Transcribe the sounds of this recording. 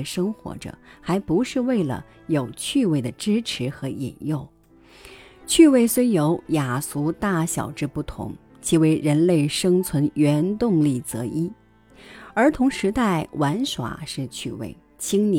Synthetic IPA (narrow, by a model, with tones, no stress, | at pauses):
ʂɤ˥ŋxwɔ̰˧˥ʈ͡ʂɤ̰˨˩xa˧˥ɪpu˧˥ʂɻ̩˥˧we˥˩ɪlə̰˩ | jo˨˩ʊt͡ɕʰy˥˧we˥˩ɪd̪ə˩ʈ͡ʂɻ̩˥ʈ͡ʂʰɻ̩˧˥xɤ˧˥ḭ˨˩njo˥˩ʊ | t͡ɕʰy˥˧we˥˩ɪswe˥ɪjo˧˥ʊja˨˩su˧˥t̪a˥˩ɕjɑ̰˨˩ʊʈ͡ʂɻ̩˥˧pu˥˩t̪ʰʊ̰˧˥ŋ | t͡ɕʰi˧˥we˧˥ɪɻə˧˥nle˥˩ɪʂɤ˥ŋt͡sʰwə˧˥nɥɛ˧˥nt̪ʊ˥˧ŋli˥˩t͡sɤ˧˥i˥ | ə˞˧˥t̪ʰʊ˧˥ŋʂɻ̩˧˥t̪a˥˩ɪwʔa˧˥nʂwa̰˨˩ʂɻ̩˥˧t͡ɕʰy˥˧wḛ˥˩ɪ | t͡ɕʰi˥ŋn